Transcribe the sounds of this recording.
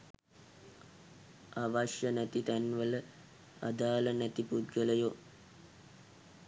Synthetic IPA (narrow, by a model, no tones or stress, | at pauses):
aʋaʃjənæt̪it̪ænʋələ | a̰d̪aːlənæt̪ipud̪ɡələjo